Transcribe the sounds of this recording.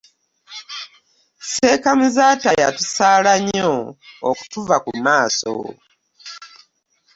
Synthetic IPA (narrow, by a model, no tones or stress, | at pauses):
se̞ːkamuzaːtajatusaːlaɲoːku̥tuvakumaːso̰